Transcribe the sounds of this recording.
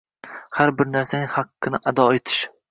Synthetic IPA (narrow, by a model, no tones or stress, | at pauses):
haɾbɪɾnaɾsanɪŋhaqːɨnɪʔad̪ɒet̪ʰɪ̥ʃ